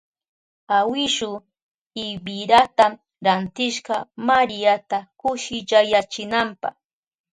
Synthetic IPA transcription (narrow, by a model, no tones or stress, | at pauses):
awɪʃʊ | ɪbɪɾat̪a | ɾant̪ɪʃɢɑmaɾɪat̪akʊʃɪt͡ʃajat͡ʃɪnampɑ̰χ